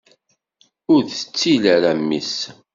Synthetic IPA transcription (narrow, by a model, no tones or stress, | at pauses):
ʊɾθət͡sːilæɾæmːis